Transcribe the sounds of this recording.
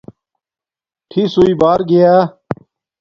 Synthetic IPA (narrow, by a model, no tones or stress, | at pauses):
ʈʰisuiːbaːɾɡɪjaː